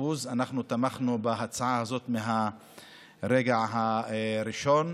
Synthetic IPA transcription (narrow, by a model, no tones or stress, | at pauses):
uzanaχnut̪amaχnubaɦat͡saʕahazo̞t̪meɦa | ɾeɡaʕɦaɾiʃo̞n